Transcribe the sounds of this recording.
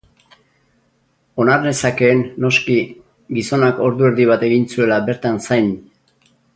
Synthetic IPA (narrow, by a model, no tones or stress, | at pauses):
o̞naɾne̞sake̞ːnːo̞ski | ɡiso̞nako̞ɾðue̞ɾðiβ̞at̪e̞ɣinsue̞laβe̞ɾt̪ansajn